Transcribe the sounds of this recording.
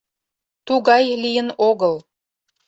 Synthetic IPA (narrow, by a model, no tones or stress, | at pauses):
t̪uɣɑjlijənoɣəl